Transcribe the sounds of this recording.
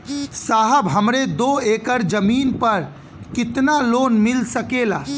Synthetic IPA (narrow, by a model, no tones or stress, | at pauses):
saːɦəbɦəmɾed̪oeːkəɾd͡ʒəmiːnpəɾ | kɪt̪naloːnmɪlsəkelaː